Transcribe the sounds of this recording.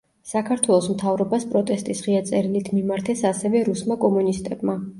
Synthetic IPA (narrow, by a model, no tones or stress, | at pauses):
sakʰaɾt̪ʰwɛlˠɔsmt̪ʰavɾɔbaspʼɾɔt̪ʼɛst̪ʼisʁiat̪sʼɛɾilit̪ʰmimaɾt̪ʰɛsasɛvɛɾusmakʼɔmunist̪ʼɛbma